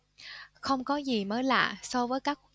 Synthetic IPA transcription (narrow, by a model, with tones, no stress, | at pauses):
xə˧wŋ͡mkɔ˨˦zi˨˩məː˨˦jla̰ː˧˨sɔ˧vəː˨˦jkaː˦˥k̚